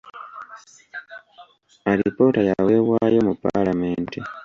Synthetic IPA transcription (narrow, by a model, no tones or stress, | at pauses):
aɾipo̞tajawe̞ːβwaːjo̞mupːa̰lameːnti